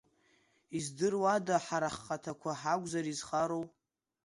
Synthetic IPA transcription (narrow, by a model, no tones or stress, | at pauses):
izdɨrwadaħaɾaχːatʰakʷʰaħaɡʷʼzaɾizχaɾow